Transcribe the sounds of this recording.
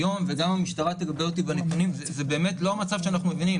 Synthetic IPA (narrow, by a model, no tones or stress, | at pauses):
jomve̞ɡamamiʃt̪aʁat̪eɡabeot̪̬ibanet̪unimzezebe̞ːme̞t̪lo̞mat͡savʃeanaχnume̞vinim